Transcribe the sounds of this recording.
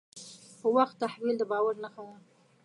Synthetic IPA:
xəwaxt̪ːahwild̪əbɑwaɾnaxawən

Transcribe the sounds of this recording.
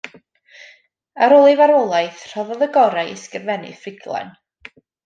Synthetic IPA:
aɾolˠivaɾɔlˠajθr̥ɔvɔðəɡɔɾajɪskrvɛnɨ̰frɪɡlˠɛ̰n

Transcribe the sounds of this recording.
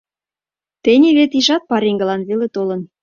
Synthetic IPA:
t̪enʲeβet̪iʒɑt̪̚pɑɾiŋɡə̆lɑnβelet̪olə̆n

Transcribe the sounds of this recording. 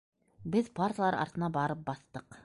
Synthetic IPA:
bɪz̥pʰaɾt̪lˠɑɾɑ̰ɾt̪ənɑbɑɾəp̚bɑst̪əq

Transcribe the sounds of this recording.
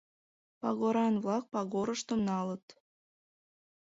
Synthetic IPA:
pɑɣoɾɑnβlɑk̚pɑɣoɾəʃt̪omnɑlət̪

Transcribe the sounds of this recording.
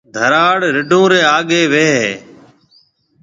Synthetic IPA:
d̪ʱəɾaːɽɾɪɖʱõːɾeːaːɠeːʋeːɦeː

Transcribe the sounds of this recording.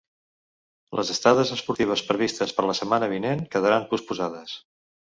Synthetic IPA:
lʔə̰zəst̪aðəzəspuɾt̪iβ̞əspɾəβist̪əspəɾləsəmanəβ̞inenkəðəɾampuspuzaðəs

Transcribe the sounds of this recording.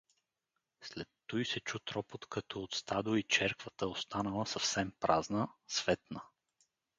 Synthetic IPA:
slɛt̪ːɔjsɛt͡ʃut̪ɾɔpot̪kɐt̪ʰɔːt̪st̪ad̪oit͡ʃɛɾkvət̪əost̪anəlˠəsəfsɛmpɾʔaznəsv̥ɛt̪nə

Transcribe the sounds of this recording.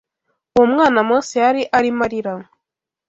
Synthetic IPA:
omŋaːnamoːsiaɾiʔaɾimaɾiɾa

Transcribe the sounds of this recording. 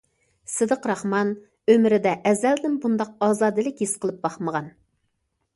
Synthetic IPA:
sɨd̪əqɾɑχmɑn | ømɪɾɪd̪ɛʔːzæld̪ɪnbund̪ɑq̚ɑːzɑːd̪ɨlɪkʲjesqʰəlˠɨp̚bɑχməʁɑn

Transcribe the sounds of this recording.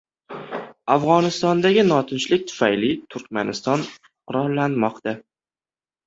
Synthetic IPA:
afʁɒnɪst̪ɒnd̪aɡʲɪnɒt̪ʰɪnt͡ʃlɪk̚ʲt̪ʰʊ̥fajlɪt̪ʰʊɾk̚ʲmanɪst̪ɒn | qʰʊɾɒnlːanmɒqt̪a

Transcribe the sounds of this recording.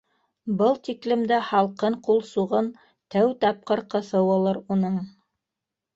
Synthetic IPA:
bɤlˠt̪iklɘ̆md̪æhɑlˠqɤɴqulˠsuʁɤn | t̪æwt̪ɑp̚qɤɾqɤ̆θɤwɑ̆lˠɤɾunɤɴ

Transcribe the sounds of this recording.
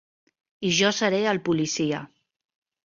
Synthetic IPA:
iʒɔsəɾeəlˠpulisiə

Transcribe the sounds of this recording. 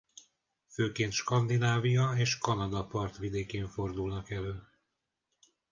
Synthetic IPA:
føːkeːnt̪ʃkɒnd̪inaːvijɒeːʃkɒnɒd̪ɒpɒrt̪ʋid̪eːkeːɱfo̞rd̪ulnɒkɛløː

